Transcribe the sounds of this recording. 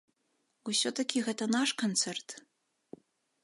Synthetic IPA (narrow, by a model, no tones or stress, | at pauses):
usʲɔt̪ʰɐkʲiɣɛt̪ʰɐnaʂkʰont͡s̪ʰɛrt̪